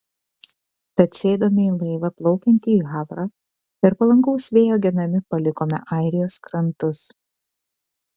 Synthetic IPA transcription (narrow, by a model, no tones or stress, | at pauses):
t̪ɐt̪sʲeːd̪oːmʲɪiːlˠɐɪʋɐplˠɒʊkʲɛnʲt̪ʲɪːɣɑːʋɾɑː | ɪɾpɐlˠɐŋɡɐʊsʋʲeːjoːɡʲɛnɐmʲɪpɐlʲɪkoːmʲɛ̰ʔɑˑɪɾʲɪjoːskɾɐnt̪ʊs